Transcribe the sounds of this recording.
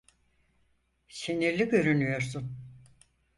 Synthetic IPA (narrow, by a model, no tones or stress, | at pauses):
seniɾlʲiɟø̞ɾynyjo̞ɾsun